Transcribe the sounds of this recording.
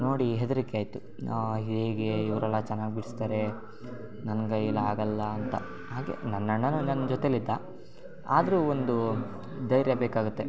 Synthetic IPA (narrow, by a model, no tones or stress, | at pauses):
no̞ːɽiɦed̪ɐɾikeaːjt̪u | ɦid̪eɡeiʋɐɾɛlːɐt͡ʃɛnːaːɡibiɽist̪aːɾe̞ | nɐnɐɡɐjilːɐaːɡɐlːɐːnt̪ɐ̰ | ɦaːɡe̞̰nɐnːɐɳːɐnunɐnːɐd͡ʒɔt̪elid̪ːɐ | a̰ːd̪ɐɾuːond̪u | d̪ɐjɾjɐbeːkaːɡut̪ːe̞